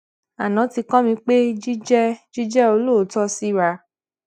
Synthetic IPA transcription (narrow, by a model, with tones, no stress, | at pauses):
a˨nã˨˦ti˧kã˦mĩ˧k͡pe˦d͡ʒi˦d͡ʒɛ˦d͡ʒi˦d͡ʒɛ˦o˧lo˦˨˦tɔ˦si˦ɾa˧